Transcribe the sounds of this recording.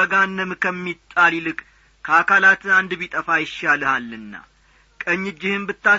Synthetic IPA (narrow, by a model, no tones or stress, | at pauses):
əɡanːəmkʰəmːit̪ʼːalilɨkʼ | kʰəakalat̪ʰɨand̪βit̪ʼəfajɪʃːalɨhalːɨnːa̰ | kʼəɲːɪd͡ʒːɪhɨmbɨt̪ːa